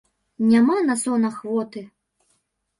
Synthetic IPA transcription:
nʲamanɐsɔnɐxvɔt̪ɨ

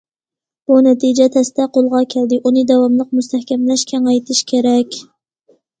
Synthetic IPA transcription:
b̥unɛt̪ʰid͡ʒɛt̪ʰɛst̪ɛqolˠʁɑkʲʰɛld̪ɪʔunɨd̪ɛwɑmlˠəq̚must̪æhkʲɛmlɛʃkʲʰɛŋɑjt̪ʰɪʃkʲʰeɾɛkʲ

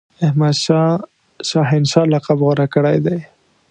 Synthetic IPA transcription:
ɪhmad̪ʃɑ | ʃɑɦɪnʃɑlaqabɣʊɾakəɽajd̪aj

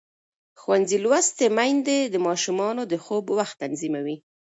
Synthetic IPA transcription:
xwanzilwast̪emajnd̪ed̪əmɑʃumɑnod̪əxobwaxt̪ːanzimawi

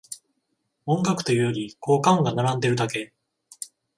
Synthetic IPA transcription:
õ̞ŋɡakɯ̟̥t̪ojɯ̟jo̞ɾʲiko̞ːkãŋɡanaɾãnd̪e̞ɾɯ̟d̪ake̞

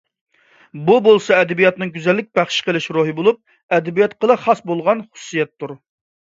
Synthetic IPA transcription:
bubolˠsɑɛd̪ɛbijɑt̪nɨŋɡʲyzɛlːɪk̚ʲbæχʃqəlˠɪʃɾoɦɨbolˠup̚ | ɛd̪ɛbijɛt̪qʰəlˠɨχɑsbolˠʁɑnχʊ̥sːijɛt̪ʰːuɾ

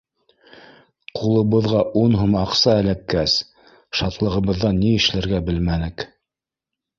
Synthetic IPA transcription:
qʰulˠɤ̆βɤ̆ðʁɑʔunɦomɑqsɑælækːæs | ʃɑt̪lˠɤ̆ʁɤ̆βɤ̆ðːɑnːiɘ̆ʃlæɾɡæbɘlmænɘk

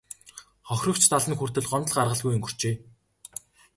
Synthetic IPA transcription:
χɔxʲrɞ̆kt͡ɕʰt̪ʰaɮə̆nxur̥t̪ɘ̆ɮɢɔnt̪ə̆ɮɢarʁə̆ɮɣujɵ̆ŋɡɵr̥t͡ɕeː

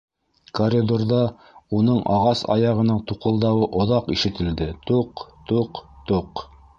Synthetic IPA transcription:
korʲid̪orðɑ | unɤɴʔɑ̰ʁɑsɑ̰jɑʁɤ̆nɤɴt̪uqɤ̆lˠd̪ɑwɤʔŏðɑqiʃɘ̆t̪ɘ̆ld̪ɘt̪uqt̪uqt̪uq

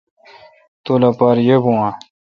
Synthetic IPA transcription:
t̪olapaːɾjebũã

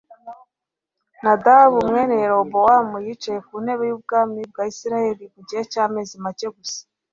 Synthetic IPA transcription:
nadaβumŋeːnejeɾobowamujit͡ʃajekun̥e̞βe̞juːb̚ɡaːmib̚ɡaːisiɾajeɾiβuɟihecaːme̞ːzimaceɡusḁ

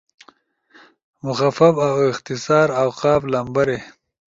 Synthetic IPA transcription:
mʊxafɐbawɪxt̪ɪsaːɾawqɑːflambaɾe

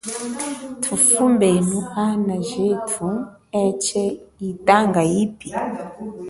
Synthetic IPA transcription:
tʰufumbɛnuhanaʒetʰu | ɛt͡ʃɛitaŋɡajipi

